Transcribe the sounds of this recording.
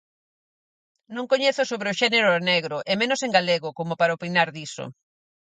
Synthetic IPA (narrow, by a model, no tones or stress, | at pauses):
nõŋkoɲeθʊsoβɾeoʃɛneɾoneɣɾoʔemẽnoseŋɡaleɣokomopaɾaopinaɾðiso̰